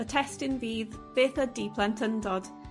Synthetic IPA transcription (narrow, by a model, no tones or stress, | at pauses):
ətʰɛstɪnviːðv̥eːθədiːpʰlˠɛntʰəndɔd̥